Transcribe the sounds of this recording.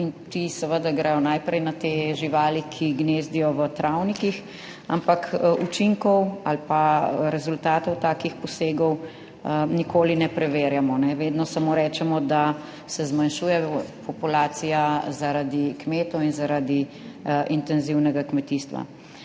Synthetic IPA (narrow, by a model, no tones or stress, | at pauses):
int̪isɛʋəd̪aɡɾɛjɔnajpɾɛjnat̪eːʒiʋaːlikʰiɡneːzd̪ijɔʋət̪ɾawnikix | ampakut͡ʃiŋkɔwalpaɾɛzult̪aːt̪ɔwt̪aːkixpɔseːɡɔw | nikoːlinɛpɾɛʋeːɾjamɔnɛʋeːd̪nɔsamoːɾɛːt͡ʃɛmɔd̪a | sɛzmanʃuːjɛpɔpulaːt̪sijazaɾad̪ikmeːt̪ɔwinzaɾad̪i | ʔint̪ɛnziwnɛɡakmɛt̪iːst̪ʋa̰